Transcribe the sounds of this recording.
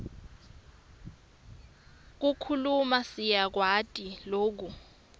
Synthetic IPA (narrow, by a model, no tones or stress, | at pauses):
k̬ukʰulumasijak̬watʼiloːk̬u